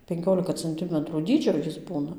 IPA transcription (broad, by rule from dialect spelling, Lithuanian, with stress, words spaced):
pʲɛŋʲˈkʲoːlʲɪkɐ t͡sɐnʲˈtʲɪmətruː ˈdʲiːd͡ʒʲoː ˈjɪs ˈbuːnɐ